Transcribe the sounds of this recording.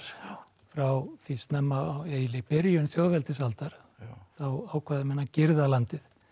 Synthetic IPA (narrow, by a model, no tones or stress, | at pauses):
ɾ̥ | fɾawθist̪nɛmːaweːjlɪpɪɾjʏnθjowvɛlt̪ɪsalt̪aɾ̥ | θawaːwkʰvaːðɪmɛnːacɪɾðalant̪ɪθ